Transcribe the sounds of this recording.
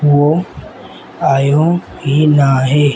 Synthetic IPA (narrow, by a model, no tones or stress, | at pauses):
o | ajõ | ɦinaɦe